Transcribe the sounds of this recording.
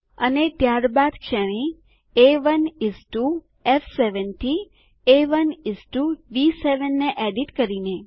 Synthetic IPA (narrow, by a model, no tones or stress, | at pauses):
ənet̪jaɾbad̪kʃəɽ̃ĩ | eʋənisʈu | ɛfseʋənʈʰi | eʋənisʈuʋiseʋənːeʔɛɖiʈkəɾine